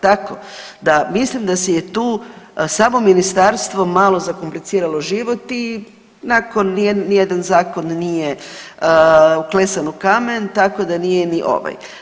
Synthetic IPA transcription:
t̪akod̪amislimd̪asejet̪uːsaːmo̞minist̪aɾst̪ʋo̞malˠo̞zakomplit̪siːɾalˠo̞ʒiʋo̞t̪i | nako̞nːeːijed̪anzaːko̞nːije̞ | uklesanukament̪ako̞d̪anijeniʔo̞̰ʋa̰j

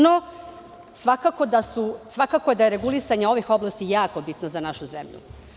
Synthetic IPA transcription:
no | sʋakako̞d̪asusʋakakoje̞d̪ajeɾeɡulisaɲeo̞ʋixo̞blˠast̪ijaːko̞bit̪nozanaʃuzemʎṵ

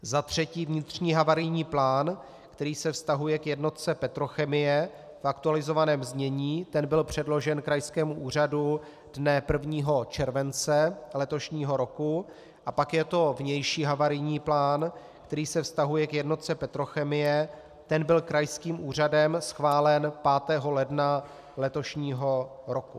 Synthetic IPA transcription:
zat̪r̝̥ɛciːvɲɪt̪r̝̥ɲiːɦavaɾɪjɲiːplaːn | kt̪ɛɾiːsɛfst̪aɦujɛkjɛdno̞t̪̚t͡sɛpɛt̪ɾo̞xɛmɪjɛ | fʔakt̪ualɪzo̞vanɛːmzɲɛɲiːt̪ɛnbɪlpr̝̥ɛdlo̞ʒɛnkɾajskɛːmuʔuːr̝adu | d̥nɛpr̩vɲiːɦo̞t͡ʃɛɾvɛnt͡sɛlɛt̪o̞ʃɲiːɦo̞ɾo̞ku | ʔapakjɛt̪o̞vɲɛjʃiːɦavaɾɪjɲiːplaːn | kt̪ɛɾiːsɛfst̪aɦujɛkjɛdno̞t̪̚t͡sɛpɛt̪ɾo̞xɛmɪjɛ | t̪ɛnbɪlkɾajskiːmʔuːr̝adɛmsxvaːlɛnpaːt̪ɛːɦo̞lɛdna | lɛt̪o̞ʃɲiːɦo̞ɾo̞ku

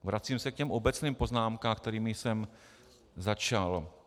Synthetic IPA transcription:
vɾat͡siːmsɛkcɛmʔobɛt͡sniːmpo̞znaːmkaːmk̚t̪ɛɾiːmɪsɛm | zat͡ʃal

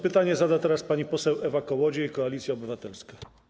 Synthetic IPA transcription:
pɘt̪aɲɛzad̪at̪ɛɾaspaɲipɔsɛwɛvakɔwɔd͡ʑɛikɔalʲit̪sʲjaɔbɘvat̪ɛlska

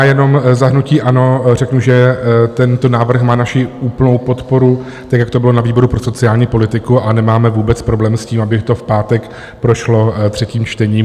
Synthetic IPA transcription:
ajɛno̞mzaɦnuciːʔano̞rɛknuʒɛt̪ɛnt̪onaːvr̩xmaːnaʃɪʔuːplno̞wpo̞t̪po̞ɾu | t̪akjakt̪obɪlo̞naviːbo̞ɾupɾoso̞t͡sɪaːlɲiːpo̞lɪt̪ɪkuʔanɛmaːmɛvuːbɛt͡spɾo̞blɛːmsciːmabɪt̪o̞fpaːt̪ɛk | pɾo̞ʃlo̞t̪r̥ɛciːmt͡ʃt̪ɛɲiːm

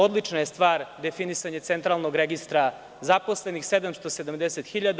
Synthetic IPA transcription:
o̞d̪lit͡ʂnajest̪ʋaːɾd̪e̞finisaɲet̪sent̪ɾalˠnoɡɾeɡist̪ɾa | zaposlenixsed̪amst̪osed̪amd̪eset̪xiʎad̪

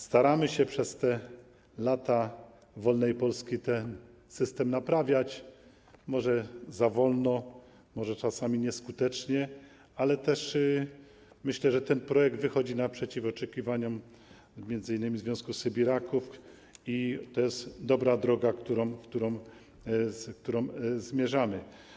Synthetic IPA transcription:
st̪aɾamɘɕɛpʂɛst̪ɛ | lat̪a | vɔlnɛjpɔlskʲit̪ɛn | sɘst̪ɛmnapɾavʲjat͡ɕ | mɔʐɛzavɔlnɔ | mɔʐɛt͡ʂasamʲiɲɛskut̪ɛt͡ʂɲɛ | alɛt̪ɛʂ | mɘɕlɛʐɛt̪ɛnpɾɔjɛɡ̚d̪vɘxɔd͡ʑinapʂɛt͡ɕifɔt͡ʂɛkʲivaɲɔm | mjɛnzɘinːɘmʲizvjɔ̃w̃skusɘbʲiɾakuf | it̪ɔjɛst̪d̪ɔbɾad̪ɾɔɡakt̪uɾɔ̃wfkt̪uɾɔ̃w | kt̪uɾɔ̃wzmʲjɛʐamɘ

